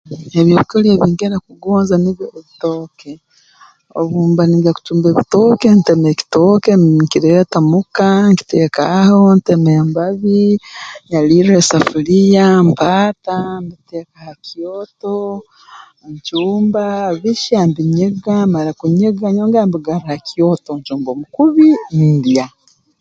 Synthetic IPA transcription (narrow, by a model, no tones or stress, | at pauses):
eβjoikolieβiːŋɡeɾakuɡoːnzaniβjoβitoːke | o̰βuːmbaniɡaku̥tuːmbeβito̞ːke̞ntemeki̥toːkeŋkiɾejatamukaŋki̥teːkaho̞ntemembaβiɲaliɾesafulijampaːtambitekahakijoto | ɲt͡ʃuːmbaβiʃambiɲeɡamaɾakuɲeɡaɲoːŋɡambiɡaɾihakioto̞ɲt͡ʃuːmbomukuβidja